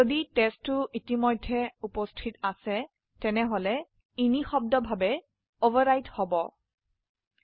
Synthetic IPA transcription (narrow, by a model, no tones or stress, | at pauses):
oditɛstːʊʔitimojdʱːɛupostʰitasɛ | tɛnɛɦɔlɛ | inixɔb̚dɔbʱabɛ | ovaɹajthɔbɔ